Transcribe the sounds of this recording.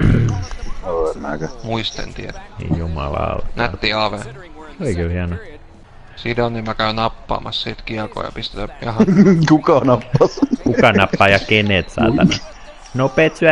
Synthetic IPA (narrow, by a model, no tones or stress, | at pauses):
oemːæ̰ːkæmuist̪ḛnt̪ierænḭjjumɑ̰lɑ̰o̰næt̪ːiːɑʋen | seolikylhiɑno | sinonnimmækæynɑpːɑ̰ːmɑssit̪kiɑko̰ːjɑ̰pist̪et̪æmɑɑkukɑnɑpːɑskukɑnɑpːɑːjɑkenet̪sɑ̰ːt̪ɑnɑ | nopeːt̪syæ